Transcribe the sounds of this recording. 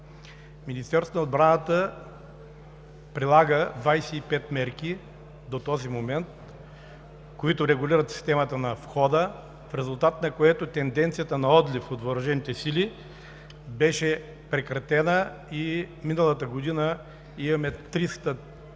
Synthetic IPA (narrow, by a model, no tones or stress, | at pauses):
minist̪ɛɾst̪onɐod̪̚bɾanət̪ə | pɾilˠaɡəd̪vajsɛipɛt̪mɛɾk̟i | d̪ot̪ɔzimomɛnt̪ | koit̪ʊɾɛɡʊlʲiɾət̪si̥st̪ɛmət̪ənɐfxɔd̪ə | fɾɛzʊlˠt̪at̪nɐkoɛt̪ot̪ɛnd̪ɛnt̪sijət̪ənɐɔd̪lʲifot̪voɾɐʒɛmit̪ɛsili | bɛʃɛ | pɾɛkɾɐt̪ɛnə | iminəlˠət̪əɡod̪inə | imɐmɛt̪ɾist̪ə